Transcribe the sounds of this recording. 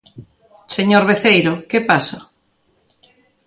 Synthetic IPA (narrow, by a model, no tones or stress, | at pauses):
seɲoɾβeθejɾokepaso